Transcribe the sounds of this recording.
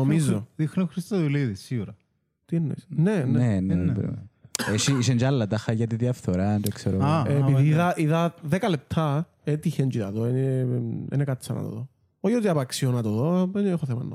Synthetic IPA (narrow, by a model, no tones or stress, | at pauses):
omizoðixnoxɾist̪ɐðuliðisːiɣuɾɐ | t̪inːḛsnenenepeʃiisend͡ʒɐlːɐt̪ɐxɐʝɐt̪iðjɐfθoɾɐnt̪okseɾopiiiðɐʔiðɐðekɐlep̚t̪ʰːɐ | et̪içend͡ʒiðɐðoeneḛnekɐt͡sːɐnɐ̰t̪o̰ðo | oçot̪iɐpɐksionɐt̪oðoenexoθemɐ̰nːo̰